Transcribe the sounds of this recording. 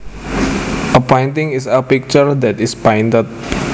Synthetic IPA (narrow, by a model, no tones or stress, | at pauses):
əpɔ̃jntĩŋisəpik̚t͡ʃəɹd̪ɛt̪ispãjntət̪̚